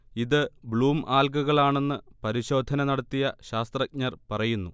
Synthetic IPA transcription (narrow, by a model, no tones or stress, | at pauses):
iðɨbɭuːmʔaːlkuɣɐɭaːɳe̞nːɨpɐɾiɕo̞ːd̪ʱɐnɐnɐɽɐt̪ːijɐɕaːst̪rɐk̚ɲɐrpɐrɐjunːu